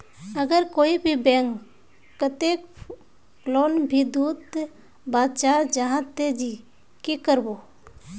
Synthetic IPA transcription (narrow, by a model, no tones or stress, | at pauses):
əɡəɾkoːibʱibɛ̃ŋkː | ət̪eːk | ploːnbʱid̪uːt̪ | baːd̪t͡ʃaːɾd͡ʒaɦãt̪ed͡ʒi | kikəɾboː